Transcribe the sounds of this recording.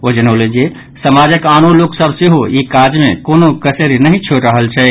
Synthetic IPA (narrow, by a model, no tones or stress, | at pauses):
od͡ʒənəlend͡ʒe | səmad͡ʒəkanoloksəbʱsiɦoikad͡ʒmḛ̃konokəseɾinəɦĩt͡ʃʰoʈɾəɦəlt͡ʃʰɛ